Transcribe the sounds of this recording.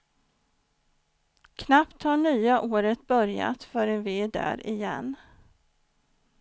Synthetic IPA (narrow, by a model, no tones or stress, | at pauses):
kʰnapt̪haɳyːaʔoːɾət̪̚bœɾja̰t̪fœɾənvɪɛɖæ̰ːɾɪjɛ̰nː